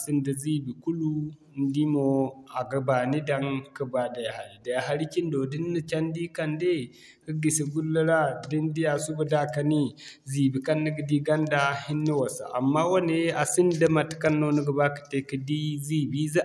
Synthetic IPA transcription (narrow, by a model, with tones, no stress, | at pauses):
si˦ndə˨zi˦bi˨ku˦lu˦ | n˦di˦mo˨a˨ɡə˨ba˨ni˦da˦ŋkə˦ba˨da˨ja˨ha˨ɾi˨da˨jɦa˨˦ɾi˦ki˦ndo˨di˦nːə˦t͡ʃa˦n˦di˦ka˦nde˦ | kə˦ɡi˨si˨ɡu˦lːə˦ɾa˦di˦ndi˦a˨su˦bə˨da˦ka˨ni˦zi˨bi˨ka˦nːə˦ɡə˨di˦ɡa˦nda˦hi˦nːi˦wa˨sa̰˨ʔa˨mːa˦wa˦ne˦a˨si˦n˦də˦ma˨tka˦nːo˦nə˦ɡə˨ba˦kə̥˨te˦kə˦di˦zi˦bi˦z